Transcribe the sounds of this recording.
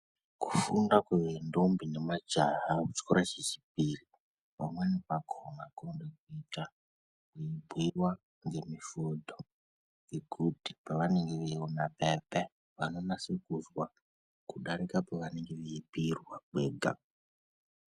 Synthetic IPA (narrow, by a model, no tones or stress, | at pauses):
ku̥fundakweʋendombine̞mad͡ʒaɦakut͡ʃkoɾat͡ʃet͡ʃi̥p̚iri | pamwenipakʰoŋakondekuita | kuibʱiwa | ŋɡe̞mifodʱo | ŋeɡʱudʱipaʋane̞ŋɡeʋeionapepe | ʋano̞nasikuzwa | kuɗaɾikapaʋane̞ŋɡeʋeibʱirwaɓeːɡʱa̰